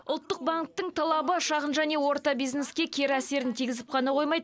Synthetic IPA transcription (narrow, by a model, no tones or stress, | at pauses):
ʊ̰lˠt̪ːəq̚baŋk̚t̪ːəɴt̪ʰɑlˠɑbəʃɑʁənʒæne̞wo̞ɾt̪ɑbijzne̞skʲe̞kʲʰe̞ɾæse̞ɾɪnt̪ʰijɡʲɪzɪp̚qʰɑnɑqʰo̞jmɑjd̪ə